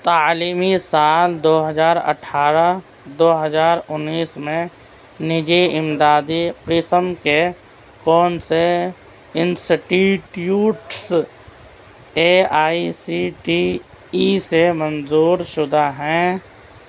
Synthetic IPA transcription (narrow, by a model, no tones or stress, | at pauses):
t̪aːliːmisaːld̪oːɦəzaːɾə̰ʈʰaːɾa | d̪oːɦəzaːɾʊnːiːsmẽ | nɪd͡ʒiɪmd̪aːd̪iqɪsəmke | kɔːnse | ɪ̃nsɪʈiʈjuːʈs | eaːisiʈi | isemənzuːɾʃʊd̪aɦɛ̃ː